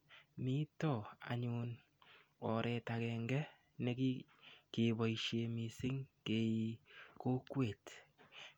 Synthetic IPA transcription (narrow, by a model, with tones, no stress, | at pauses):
mi˦tɔ˨a̰˨ɲu˧n | ɔ˨ɾɛ˨ta˨kɛː˨ŋɡɛ˦ | ne˦ki˦ | ke˨bɔ˨iʃje˨mi˨sɪ˦ŋke˨i˨ko˦kwe˨t